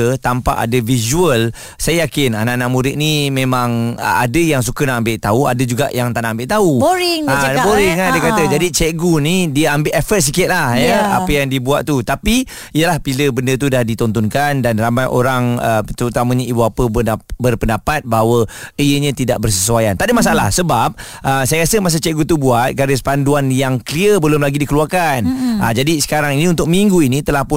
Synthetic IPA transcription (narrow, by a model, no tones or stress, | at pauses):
ət̪ampa̰ʔa̰dəvizuəl | sajəjakɪnanaʔnaʔmuɾɪʔ̪̚nimẽmãŋə̰a̰dəjaŋsukənaʔambɪʔt̪aua̰dəd͡ʒuɡa̰ʔjaŋt̪aʔnaʔambɪʔt̪auboɾɪŋaboɾɪŋadiəkat̪əd͡ʒadit͡ʃɛɡunidiəambɪʔɛfət̪̚s̬ikɪt̪̚lahjəa̰pəjaŋdiəbuaʔt̪ut̪api | ijəlahpiləbəndət̪̬udahdit̪ɔnt̪ɔnkandanramajʔo̰ɾaŋət̪əɾut̪amə̃ɲãibuapəbəabərpəndapat̪̚baɦawəijəɲãt̪ida̰ʔ̚bərs̬əsuajant̪adəmas̬aala̰hsəbap̚ | ʔəsajəɾasəmas̬ət͡ʃɛʔɡut̪ubuat̪̚kaɾəsə̥panduanjaŋkəliəbəlʊmlaɡidikəluarkanad͡ʒadisə̥kaɾaŋinĩunt̪ʊk̚miŋɡuinĩt̪əlahpʊ